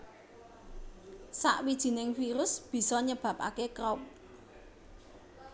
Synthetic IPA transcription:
sa̰ʔwid̥ʒ̥i̤nɪŋfiɾʊsb̥i̤sɔɲəb̥ä̤p̚a̰kekɾɔp̚

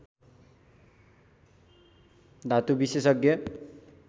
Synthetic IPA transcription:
d̪ʱat̪ubisesʌɡjʌ

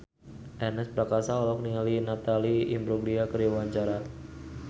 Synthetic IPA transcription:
ʔɛnɛspɾakasaɔlɔkniŋalinat̪aliḭmbɾoɡliakəɾiwaɲt͡ʃaɾa

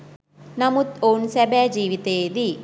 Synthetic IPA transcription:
nɐmut̪oːnsɐbɛd͡ʒiːʋit̪eːd̪i

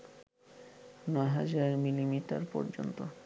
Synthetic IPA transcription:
nɔeɦad͡ʑaɾmilimiʈa̰ɾpɔ̰ɾd͡ʑo̰nt̪o

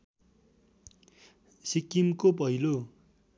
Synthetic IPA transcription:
sikimkop̬ʌɦilo

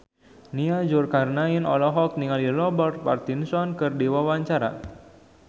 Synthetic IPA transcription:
niad͡ʒʊrkarnainɔlɔɦɔk̚niŋalilɔbɔr̚pa̰rt̪insɔnkɨrdiwawaɲt͡ʃaɾa̰

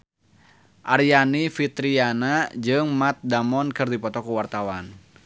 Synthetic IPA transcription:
ʔarjanifit̪ɾianad͡ʒɨŋmat̪̚damɔnkɨrdipɔt̪ɔkuwart̪awan

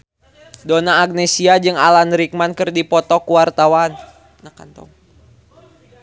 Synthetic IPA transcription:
donaːɡ̚nesiad͡ʒɨŋa̰lanɾik̚mankɨrdipɔt̪ɔkuwart̪awan | naka̰nt̪ɔ̰ŋ

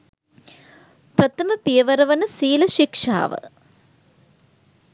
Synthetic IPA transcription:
pɾɐt̪ɐmɐpijɐʋɐɾɐʋɐnɐsiːlɐʃikʂa̰ːʋɐ̰

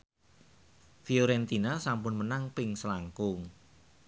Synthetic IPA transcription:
fioɾɛnt̪inasampʊnmənaŋpɪŋsəlaŋkʊŋ

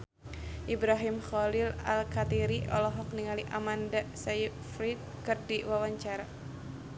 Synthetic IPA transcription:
ʔibɾaɦimxɔlila̰lkat̪iɾiʔɔ̰lɔɦɔk̚niŋaliʔamandasai | fɾit̪̚kɨrdiwawaɲt͡ʃaɾa

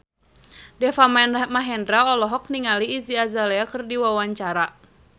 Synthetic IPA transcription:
dɛfammaɦɛndɾaɔlɔɦɔk̚niŋaliːziazalɛakɨrdiwawaɲt͡ʃaɾa

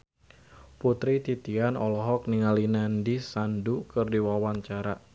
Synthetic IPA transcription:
put̪ɾit̪it̪ianɔlɔɦɔk̚niŋalinandisandukɨrdiwawaɲt͡ʃaɾa

